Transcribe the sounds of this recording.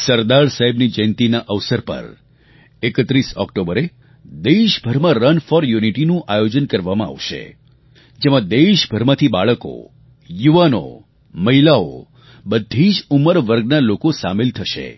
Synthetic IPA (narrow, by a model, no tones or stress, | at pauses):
səɾd̪aɾsaɦɛbnid͡ʒənt̪inaʔəʋsəɾpə̰ɾ | ekət̪ɾisɔ̰kʈobəɾe | d̪eʃbʱəɾmãɾənfɔɾjuniʈinũʔajod͡ʒənkəɾʋamãa̰ʋʃḛ | d͡ʒemãd̪eʃbʱəɾmãt̪ʰibaɭəko̰ | juʋano̰ | məɦilao̰ | bəd̪ʱid͡ʒuməɾʋəɾɡnalokosa̰melt̪ʰəʃḛ